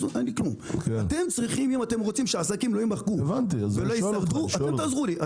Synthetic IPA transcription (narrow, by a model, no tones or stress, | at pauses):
uʔenliklumat̪e̞mt͡sʁiχimimat̪e̞mʁot͡simʃeasakimlojimaχɡuevant̪̬iazveloiaʁdd̪uatemt̪aːzʁuliʔa